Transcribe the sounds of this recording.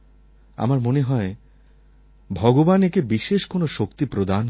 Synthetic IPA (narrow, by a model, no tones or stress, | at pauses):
a̰maɾmoneɦɔe | bʱɔɡobanekebiʃeʃkonoʃokt̪ipɾod̪an